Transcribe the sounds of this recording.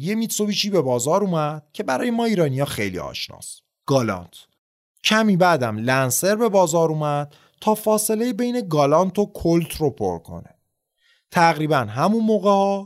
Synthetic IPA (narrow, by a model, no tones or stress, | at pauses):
je̞mit̪so̞viːt͡ʃʰiːbe̞bɒːzɒːɾuːmæd̪̥cʰe̞bæɾɒːjemɒːiːɾɒːnijɒːxe̞jlḭɒ̰ːʃnɒ̰ːs | ɡ̥ɒːlɒ̰nt̪ʰ | cʰæmiːbæd̪æmlænse̞ɾbe̞bɒːzɒːɾuːmæd̪̥̚ | t̪ʰɒːfɒːse̞le̞jebe̞jne̞ɡɒːlɒnt̪ʰo̞kʰolt̪ʰro̞pʰo̞̰ɾkʰo̞̰ne | t̪ʰæɣɾiːbænɦæmunmoːɣehɒː